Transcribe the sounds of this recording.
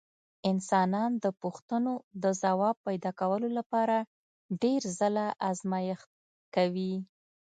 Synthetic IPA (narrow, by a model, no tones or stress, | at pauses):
ɪnsɑnɑnd̪əpuxt̪ənod̪əzawɑb̚pajd̪ɑkawəlolapɑɾa | ɖeɾzəlaʔazmɑjəx̚ | kawi